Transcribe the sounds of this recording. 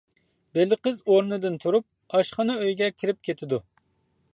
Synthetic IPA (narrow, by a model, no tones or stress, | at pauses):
belɪqəzoɾnɨd̪ɨnt̪ʰuɾup̚ | ɑʃχɑnɨøjɡʲɛkʲʰiɾɪp̚kʲʰet̪ʰɪd̪u